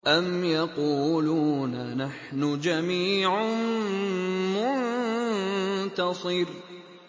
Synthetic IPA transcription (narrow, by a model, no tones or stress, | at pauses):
ʔamjɑquːluːnanaħnʊd͡ʒamiːʕ | mʊnn | t̪ɑsˤɨɾ